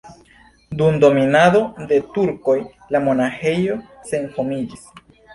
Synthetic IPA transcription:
dumdo̞minado̞de̞tuɾko̞j | lamo̞naxe̞jo̞ | se̞nhomid͡ʒis

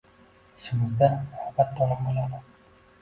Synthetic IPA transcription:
ʃɪmɪzd̪amhabat̪ːɒlɪmqolˠad̪ɪ

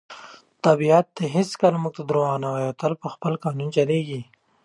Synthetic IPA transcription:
t̪abiat̪ːeɦɪskəlamuɡ̚t̪ad̪ɾowɑnawajot̪əlpəxpəlkɑnunt͡ʃaleɡi

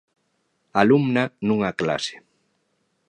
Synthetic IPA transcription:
alumnanũŋakla̰se̥

